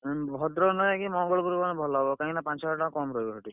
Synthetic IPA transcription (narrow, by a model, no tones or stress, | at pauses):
bʱɔd̪ɾɔnɔjakimɔŋɡɔɭpuɾbanebʱɔlɔɦɔbɔkaɦĩnapãnt͡ʃɔɔʈakɔmɾɔjbɔɦɔʈi